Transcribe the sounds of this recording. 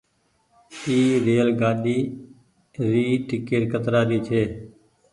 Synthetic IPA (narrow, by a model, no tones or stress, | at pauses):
iːɾeːəlɡãːɗiː | ɾiːʈɪkeːʈkʰət̪ɾaːɾiːt͡ʃʰeː